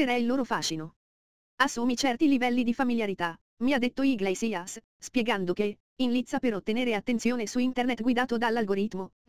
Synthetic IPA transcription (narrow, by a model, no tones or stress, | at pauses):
eɾɛilːoːɾofaːʃino | asːuːmit͡ʃɛrt̪ilivɛlːid̪ifamiljaɾit̪a | miad̪ːet̪ːoiɡlɛjsias | spjeɡand̪oke | inlit̪sːapeɾot̪ːeneːɾeat̪ːent̪sjoːnesuint̪ernet̪ɡwid̪aːt̪od̪alːalɡoɾit̪ːmo